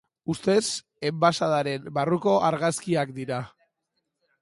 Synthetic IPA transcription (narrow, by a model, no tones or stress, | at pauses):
ust̪e̞s | e̞mbasaðaɾe̞mbaruko̞ʔaɾɣaskiakd̪iɾa